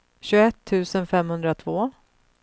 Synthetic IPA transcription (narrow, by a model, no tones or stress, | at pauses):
ɕɵɡɛt̪ʰːʉ̟ːsənfɛmhɵnd̪ɾat̪ʰvoː